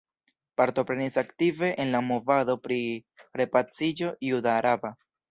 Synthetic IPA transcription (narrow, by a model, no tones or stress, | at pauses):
paɾto̞pɾe̞nisaktive̞ʔenlamo̞vado̞pɾiɾe̞pat͡sid͡ʒo̞judaːɾaba